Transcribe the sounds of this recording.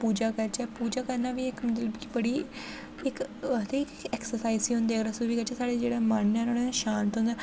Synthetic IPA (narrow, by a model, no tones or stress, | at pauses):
puːd͡ʒakəɾt͡ʃɛːpuːd͡ʒaːkəɾnaːʋiːɪkmət̪ləbki̥bəɽiː | ɪkət̪ekɛksəɾsaːiziːɦʊ̃nd̪eːkʰɾasuʋiːkəɾt͡ʃɛːsaːɽeːd͡ʒeːɽeːmaːɳːeɦnoːɽeʃãːnt̪ɦʊ̃nd̪ɛː